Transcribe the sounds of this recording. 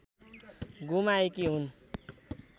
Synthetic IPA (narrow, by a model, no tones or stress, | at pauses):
ɡumaekiɦun